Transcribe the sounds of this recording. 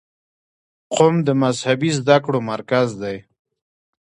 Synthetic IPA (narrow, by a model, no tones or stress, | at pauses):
qomd̪əmazhabizd̪akɽomaɾkazd̪aj